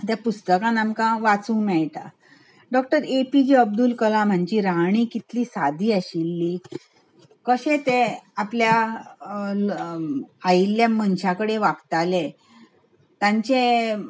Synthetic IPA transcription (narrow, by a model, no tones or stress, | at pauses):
t̪japust̪əkãnamkãʋat͡sũːmɛɭʈ̪a̰ | ɖɔk̚ʈəɾepid͡ʑiəb̚d̪ulkəlãm̤əɳd͡ʑiɾaɳ̃iːkit̪liːsad̪ʱiːəɕilːi | kəɕẽt̪eaplja | ajilːjamənɕãkəɽeʋakt̪ale | t̪ãɲt͡ɕe